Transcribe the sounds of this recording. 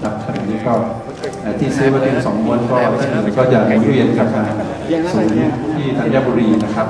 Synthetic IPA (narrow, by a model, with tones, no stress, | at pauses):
ɾa˦˥p̚k̪ʰa˧no˨˩˦lɛː˦˥kɔː˥˩ | ʔaː˨˩t̪ʰiː˥˩sɯː˦˥maː˧˩t̪ʰi˧ŋsɔː˩˦ŋmu˧ənkɔː˥˩t̪ʰiː˥˩kɯː˨˩kɔː˥˩t͡ɕa˨˩nu˨˩˦nwi˧ənkʰa˦˥˩maː˧ | suː˩˦ŋ˥t̪ʰiː˥˩t̪ʰaː˧˩ŋjaː˥˩buː˧ɾiː˧na˦˥kʰa˦˥p̚